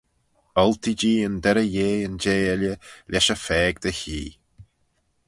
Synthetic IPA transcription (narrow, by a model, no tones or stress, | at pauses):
ɔlt̪id͡ʒiːənd̪ɛɾəjeːənd͡ʒeːɛljəlʲʔɛʃəfɛːɡd̪əçḭː